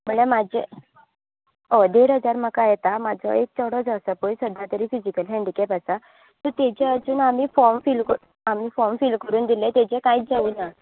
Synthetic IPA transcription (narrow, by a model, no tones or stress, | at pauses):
m̤əɳemad͡ʑḛ | od̪eɽɦəd͡zaɾm̤akajɛt̪amad͡zʱɔ̰ek̚t͡ɕɔɽɔd͡zəsapojsəd̪ʱat̪əɾiːfid͡ʑikəlɦɛ̃ɳɖikɛpasa | t̪ət̪et͡ɕead͡zuːnamiːfɔɾmfilkə | amiːfɔɾmfilkəɾuːnd̪ilẽt̪et͡ɕekajt͡sd͡zauːna